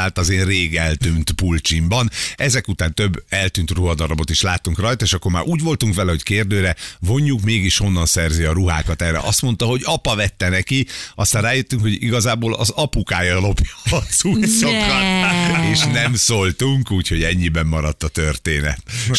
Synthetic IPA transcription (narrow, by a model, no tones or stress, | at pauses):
aːt̪ɒzeːnreːɡɛlt̪yːnt̪pult͡ʃimbɒnʔɛzɛkut̪aːnt̪ø̞bːɛlt̪yːnt̪ruɦɒd̪ɒɾɒbo̞t̪iʃlaːt̪ːuŋkrɒjt̪ɒeːʃɒkːo̞rmaːɾʔuːɟvo̞lt̪uŋkʋɛlɛho̞ckeːrd̪øːɾɛvo̞ɲːukmeːɡiʃho̞nːɒnsɛrziɒɾuɦa̰ːkɒt̪ɛrːɛ̰ʔɒst̪mo̞nt̪ɒɦo̞ɟɒpɒvɛt̪ːɛnɛkiɒst̪aːrraːjøt̪ːyŋkho̞ɟḭɡɒzaːboːlɒzɒpukaːjɒlo̞pjɒːz̥ujsokrɒeːʃnɛmsolt̪uŋkuːcʰho̞ɟɛɲːibɛmːɒɾɒt̪ːɒt̪ørt̪eːnɛ̰t̪